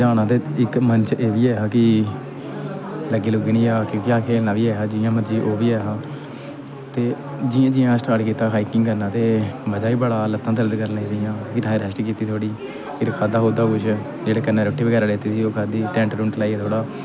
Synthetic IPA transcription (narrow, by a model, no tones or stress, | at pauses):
d͡ʒaːnãːt̪eːɪkmənt͡ʃeːʋiːɛːaːkɪ | ləɡiːlʊɡɳiːaːkjõːkɪaːkʰeːlnãːʋiːɛːaːd͡ʒɪːãːməd͡ʒiːʔoːʋiːɛːɦãː | t̪eː | d͡ʒɪːãːd͡ʒɪjãːsʈaːɾʈkiːt̪aːɦaːiːkɪŋɡkəɾnãːt̪eːʋəd͡ʒaːiːbəɽaːlət̪ːãːd̪əɾəd̪kəɾneːd̪ɪjãːkɪɾʰaːeːɾəsʈːkiːt̪iːt̪ʰoːɽiː | kɪɾɪkʰaːd̪aːɦoːd̪aːkʊʃ | d͡ʒeːɽeːkənːãːɾoːʈːiːʋəɡɛːɾaːleːt̪iːsiːoːkʰaːd̪iːʈɛ̃ːɳʈɾʊ̃ɳʈlaːiːɛːt̪ʰoːɽaː